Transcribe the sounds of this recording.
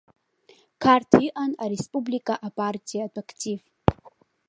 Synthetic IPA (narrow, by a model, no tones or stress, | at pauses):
kʰartʰiʔanaɾespʼublikʼaʔapʼartʼijatʼakʰtʰʼiv